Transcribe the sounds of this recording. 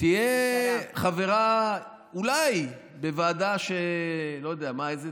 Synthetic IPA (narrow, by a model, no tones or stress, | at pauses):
tijeχaveʁa | ulaj | bevaːd̪aʃelo̞jod̪eamaejze